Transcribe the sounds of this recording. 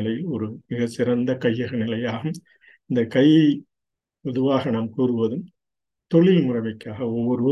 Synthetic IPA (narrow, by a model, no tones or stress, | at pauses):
lɐjɪlɔɾɯmɪɣɐsɪɾɐnd̪ɐkɐjːɐɣɐnɪlɐjaːɣɯm | ɪnd̪ɐkɐj | ʋɐðɯʋaːɣɐnaːmkuːɾɯʋɐðɯm | t̪ɔɭɪlmʊrɐmɐkːaːɣɐɔʋːɔɾɯ